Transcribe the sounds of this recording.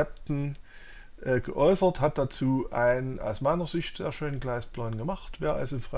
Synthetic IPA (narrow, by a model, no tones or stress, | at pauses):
ɛp̚tn̩ | ʔɛːɡ̥əʔɔʏsɐthat̚d̥at͡suːʔa̰ɪnənʔa̰ʊsmaɪnɐzɪçtz̥ḛːɐʃøːnənɡlaɪsb̥lɔnɡəmaχtv̥eːɐʔa̰lzoɪnfʁ̥a